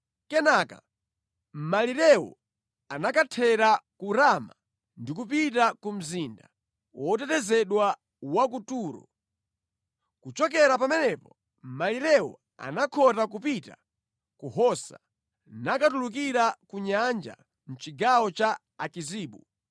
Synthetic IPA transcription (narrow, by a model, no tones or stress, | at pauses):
kɛnaːka̰ | m̩maliɾɛwɔ̰ | anakatʰɛɾakuɾama | ndikupitakum̩zinda | wʔɔtɛtɛzɛɗwa | wak̬utuːɾɔ̰ | kut͡ʃɔk̬ɛɾapamɛnɛpɔ | maliɾɛwɔ̰ | a̰nakʰɔtak̬upita̰ | kuhɔsa | nakatulukiɾakuɲand͡ʒa̰ | n̩t͡ʃiɡawɔt͡ʃa | akiziːɓu